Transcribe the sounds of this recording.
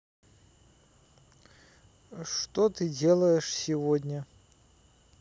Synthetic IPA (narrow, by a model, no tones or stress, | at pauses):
ʂt̪ot̪ɨdʲe̞lˠəjɪʂsʲɪvodʲnʲə